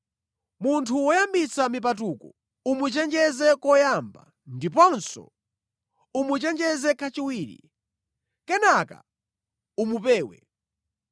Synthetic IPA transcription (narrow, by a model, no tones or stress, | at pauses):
muntʰuwɔjambit͡samipat̬ukɔ | umut͡ʃɛnd͡ʒɛzɛkɔjamba̰ | ndip̬ɔnsɔ̰ | umut͡ʃɛnd͡ʒɛzɛkʰat͡ʃiwiːɾḭ | kɛnaka̰ | umupɛːwɛ̰